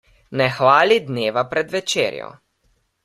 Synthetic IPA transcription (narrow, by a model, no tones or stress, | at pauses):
nɛxʋaːlid̪neːʋapɾɛd̪ʋɛt͡ʃḛːɾjɔ̰